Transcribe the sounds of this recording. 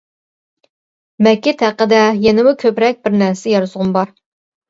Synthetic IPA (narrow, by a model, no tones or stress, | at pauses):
mɛkʲːɪt̪hæqːəd̪ɛjɛnɪmukʲʰøpɾɛk̚ʲbɪɾnæɾsɛjɑɾɨzʁʊmbɑɾ